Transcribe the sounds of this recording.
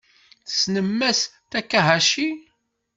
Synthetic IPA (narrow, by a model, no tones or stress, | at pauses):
snəmːæst̪ækːæɦæʃi